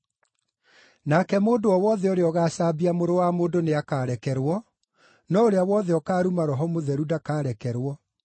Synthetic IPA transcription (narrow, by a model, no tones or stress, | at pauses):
naːkɛmoːndoɔwɔðɛoɾeɔɣaːɕaːbiamoɾowamoːndoneakaːɾɛkɛɾwɔ | nɔoɾeawɔðɛɔkaːɾumaɾɔɦɔmoðɛɾudakaːɾɛkɛɾwɔ